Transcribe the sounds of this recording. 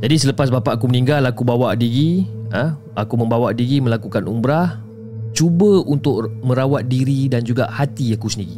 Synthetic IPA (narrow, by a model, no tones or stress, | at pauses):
d͡ʒadisələpas̬bapaʔakumənĩŋɡalakubawaʔdiɾiə | akumə̃mbawaʔdiɾiməlakukanumbɾah | t͡ʃubəunt̪ʊk̚mə̃ɾawat̪̚diɾidand͡ʒuɡa̰ʔhat̪iakusəndiɾi